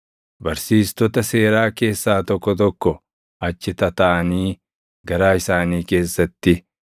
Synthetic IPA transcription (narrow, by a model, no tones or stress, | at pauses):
bɐɾsiːst̪ɔt̪ɐse̞ːɾaːke̞ːsːaːt̪ɔkːɔt̪ɔkːɔ | ɐt͡ʃːɪt̪ɐt̪ɐʔɐniː | ɡɐɾaːɪsaːniːke̞ːsːɐt̪ːɪ